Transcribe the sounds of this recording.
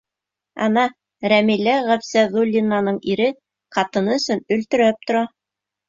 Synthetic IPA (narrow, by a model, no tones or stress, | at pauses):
ɑ̰nɑ | ɾæmilæʁæpsæðulʲːinːɑnɤɴiɾɘ | qɑt̪ɤ̆nɤɵ̆sɵnɵ̆lt̪ɵ̆ɾæp̚t̪ŏɾɑ